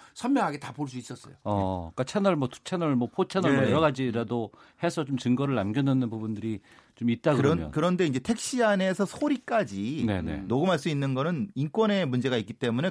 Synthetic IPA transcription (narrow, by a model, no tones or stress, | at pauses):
sʰʌnmjʌŋɦaɡetapoɭs̬͈uis͈ʌs͈ʌ̰joʌk͈at͡ɕʰanʌɭmwʌtu̥t͡ɕʰanʌɭmʌpʰot͡ɕʰanʌɭmʌjʌɾʌɡad͡ʑiɾado | he̞sʰʌt͡ɕomt͡ɕɯŋɡʌɾɯɭnamɡjʌnɯnːɯnpubundɯɾit͡ɕomit̚t͈akɯɾʌmjʌ̰kɯɾʌnde̞ind͡ʑe̞tʰe̞k̚ɕ͈iane̞sʰʌsʰoɾik͈ad͡ʑinḛne̞̰noɡumaɭs͈uinːɯnɡʌnɯninkwʌne̞mund͡ʑe̞ɣaik͈it͈e̞mune̞